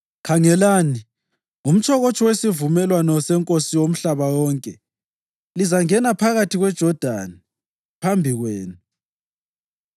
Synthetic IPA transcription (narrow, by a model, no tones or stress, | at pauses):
kʰaŋɛlani | um̩t͡ʃʰʼɔɣot͡ʃʰʼɔwesivumɛlwanɔsɛŋkʼosiwom̩ɬaβawɔːŋkʼɛ | lizaŋɛnapʰaɣatʰiɣwɛd̥ʒ̥ʱɔd̥ʱa̰ni | pʰambʱiɣweːnu